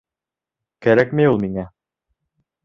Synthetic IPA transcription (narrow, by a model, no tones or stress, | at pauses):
kæɾækmɘjulˠmiŋæ